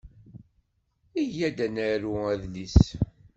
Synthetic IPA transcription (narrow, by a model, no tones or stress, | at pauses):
iʝæd̪ænæɾuæðlis